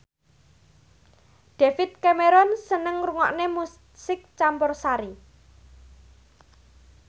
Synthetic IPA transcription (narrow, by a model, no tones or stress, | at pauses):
d̪̥efɪt̪̚kameɾɔnsənəŋruŋɔʔnemu | sɪk̚t͡ʃambɔrsaɾi